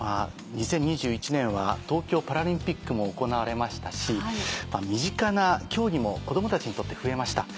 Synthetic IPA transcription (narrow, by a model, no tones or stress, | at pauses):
ma | ɲ̟isẽ̞ɲ̟ːiʑɨːit͡ɕinẽ̞ɰ̃βa̰t̪o̞ːkʲo̞ːpaɾaɾʲĩmpʲikːɯ̟mo̞ːko̞naβaɾe̞maɕi̥t̪aɕimamʲiʑikanakʲo̞ːɾʲimo̞ko̞d̪o̞mot̪at͡ɕiɲ̟it̪o̞t̪ːe̞ɸɯ̟e̞maɕi̥t̪a